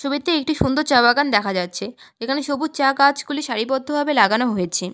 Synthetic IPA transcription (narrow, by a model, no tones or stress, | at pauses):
ʃobit̪ːeek̚ʈiʃund̪oɾt͡ɕabaɡand̪ɛkʰad͡ʑatːɕʰe | d͡ʑekʰaneʃobuɾt͡ɕakat͡ɕɡuliʃaɾipɔd̪ʱːobʱabelaɡanoɦojet͡ɕʰe